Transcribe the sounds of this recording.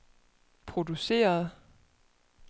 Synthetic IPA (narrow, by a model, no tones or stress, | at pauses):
pʰʁo̝d̥use̝̰ːɐð̞̩ˠ